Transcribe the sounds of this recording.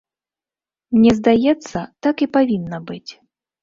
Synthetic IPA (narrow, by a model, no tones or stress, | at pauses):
mnʲɛzd̪ajɛt̪sːɐt̪akipavʲinːɐbɨt͡sʲ